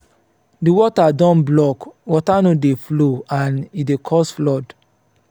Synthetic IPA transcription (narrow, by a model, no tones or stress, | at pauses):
diwɔtadɔ̃nblɔkwɔtanodefloãnidekʰɔsflɔd